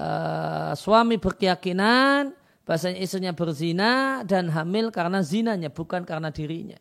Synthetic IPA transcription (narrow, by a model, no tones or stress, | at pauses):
ʔə̰suamibərkəjakinan | b̥aasaɲaisɲabərzinadanɦamɪlkaɾənazinaɲab̥ukankaɾənadiɾiɲa̰